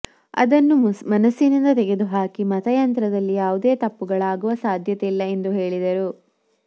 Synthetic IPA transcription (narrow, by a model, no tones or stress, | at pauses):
ɐ̰d̪ɐnːumɐnɐsːinind̪ɐt̪ɛɡe̞d̪uɦaːkimɐt̪ɐjɐnt̪ɾɐd̪ɐlːijaːʋud̪eːt̪ɐpːuɡɐɭaːɡuʋɐsaːd̪ʱjɐt̪ɛilːɐe̞nd̪uɦe̞ːɭid̪ɐɾu